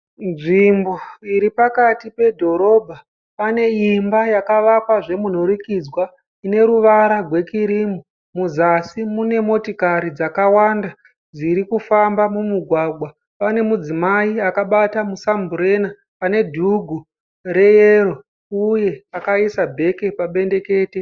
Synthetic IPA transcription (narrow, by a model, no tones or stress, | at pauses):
nʐimbo̞iɾipakatipe̞dʱo̞ɾo̞bʱa | pane̞imbajakaʋakwaʐe̞mun̤orikid͡zwa | ine̞ɾuʋaɾaɡʱwe̞kiɾimu | muzasimune̞mo̞tokaɾid͡zakawanda | d͡ziɾikufambamumuɡʱwaɡʱwa | pane̞mud͡zimaiakaɓatamusambuɾe̞na | pane̞dʱuɡʱu | ɾe̞jero̞ | uje̞akaisabʱe̞ke̞paɓe̞nde̞ke̞ːte